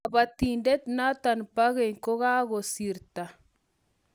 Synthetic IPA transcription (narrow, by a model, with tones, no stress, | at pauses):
ba˨t̪i˨ndɛ˦t̪na˦t̪a˨npa˦ɣɛ˨ŋko˦ɣa˦ɣo˨si˨ɾt̪a˨